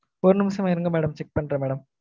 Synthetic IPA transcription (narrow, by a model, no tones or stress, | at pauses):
oɾnimɐsɐmɐjɾɐŋɡɐmeɽɐmt͡ɕek̚pɐɳɖrɐmeːɽɐm